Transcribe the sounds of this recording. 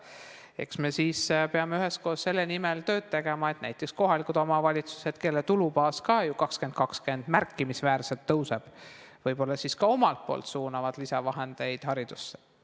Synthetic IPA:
e̞̰ksme̞siːspe̞ɑmeyhe̞sko̞ːsːe̞lːenimelt̪øːd̪̚t̪e̞ɡ̥emɑe̞t̪næjt̪ːˑeksko̞ɦɑlikud̪o̞mɑvɑlʲit̪su̥se̞d̪̥ke̞lːet̪ulubɑːskɑjukɑkske̞nd̪̥̚kɑkske̞nd̪̥mærkːˑimisvæːɾse̞lt̪ːɤwseb̥ | vɤjbo̞lːɑsiːskɑo̞mɑlt̪̚po̞̰ːlt̪suːnɑvɑd̪̥lisɑvɑɦe̞nd̪̥e̞jd̪̥hɑɾid̪̥usːe

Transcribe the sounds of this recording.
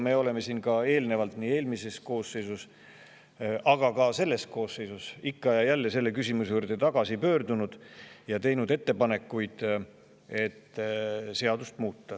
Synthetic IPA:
me̞ːo̞le̞me̞siːnkɑe̞ːlne̞vɑlt̪niːe̞ːlmise̞sko̞ːsːe̞jsus | ʔɑɡ̥ɑkɑse̞lːe̞sko̞ːsːe̞jsusikːɑjɑjælːe̞selːe̞kysʲimusuɾd̪̥e̞t̪ɑɡ̥ɑsipø̞ːɾd̪unud̪̥jɑt̪e̞jnud̪e̞t̪ːe̞pɑne̞kːujd̪̥ | e̞t̪ːse̞ɑd̪ust̪muːt̪ːɑ

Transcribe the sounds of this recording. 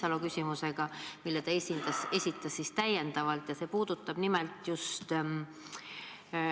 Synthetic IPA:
sɑlokysʲimuse̞ɡ̥ɑmilːet̪ɑesind̪̥ɑse̞sʲit̪ːˑɑsːist̪æje̞nd̪̥ɑvɑlt̪jɑse̞ːpuːd̪̥ut̪ːˑɑb̥nimɛlt̪just̪

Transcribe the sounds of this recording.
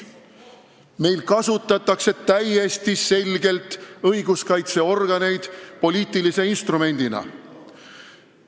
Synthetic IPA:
me̞jlkɑsut̪ːˑɑt̪ːˑɑkse̞t̪æje̞st̪ise̞lʲɡe̞lt̪ɤjɡ̥uskɑjt̪se̞o̞rɡ̥ɑne̞jd̪̥po̞lʲiːt̪ːilise̞inst̪rume̞nʲd̪̥inɑ̰

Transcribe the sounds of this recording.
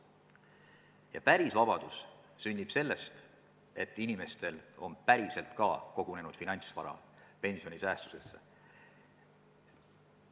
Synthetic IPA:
jɑ̰pæɾisvɑb̥ɑd̪̥us | synʲːib̥se̞lːe̞st̪ | e̞t̪ːˑinime̞st̪e̞lo̞npæɾise̞lt̪kɑko̞ɡ̥une̞nud̥̪finɑnʲsvɑ̰ɾɑ̰ | pe̞nsio̞nʲisæːst̪u̥se̞sːe

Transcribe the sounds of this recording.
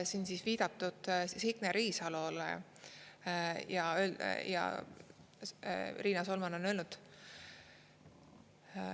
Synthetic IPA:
sinsisviːd̪̥ɑt̪ːˑud̪̥sikneɾiːsɑlolḛ | jɑøjɑ̰ | riːnɑsolmɑno̞nø̞ːlnud̪̥

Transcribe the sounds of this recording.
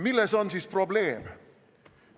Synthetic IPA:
milːɛso̞nsiːspro̞ble̞ːm

